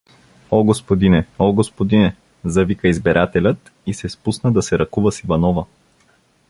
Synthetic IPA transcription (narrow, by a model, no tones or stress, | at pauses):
ɔɡospod̪inɛɔɡospod̪inɛ | zɐvikəizbɛɾʔat̪ɛlʲət̪ | isɛspusnəd̪ɐsɛɾɐkuvəsivɐnɔvə